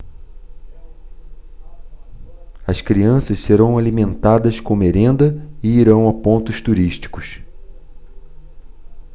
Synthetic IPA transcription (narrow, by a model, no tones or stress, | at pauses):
ɐskɾiɐ̃sɐsseɾɐ̃w̃alimẽnt̪ad̪ɐskõmeɾẽnd̪ɐɪiɾɐ̃w̃apõnt̪ʊʃt̪uɾiʃt͡ʃi̥kʊs